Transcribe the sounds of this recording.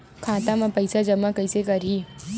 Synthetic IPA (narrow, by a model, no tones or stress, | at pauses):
kʰãːt̪amãpɐɪsad͡ʒɐmakɐɪsekɐɾi